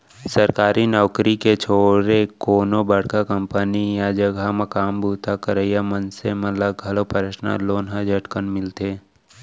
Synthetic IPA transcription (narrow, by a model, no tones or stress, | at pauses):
səɾkaːɾinɔːkɾiket͡ʃʰoːɾekoːnobəɽkakəmpənijad͡ʒəɡʱamɐkaːmbuːt̪ʰakəɾəjamənsemət̪ləɡʱɐlopəɾəʃna̰loːnɦad͡ʒʱəʈkənmɪlt̪eː